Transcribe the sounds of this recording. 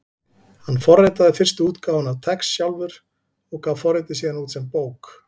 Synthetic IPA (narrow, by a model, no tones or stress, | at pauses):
hanːfɔrːɛt̪aðɪfɪr̥st̪uːt̪kaːwvʏnawt̪ʰɛksːjawlvʏɾ̥ | ɔɣkʰaːwfɔrɾːɛt̪ɪsiːðanuːt̪sɛmpoːwk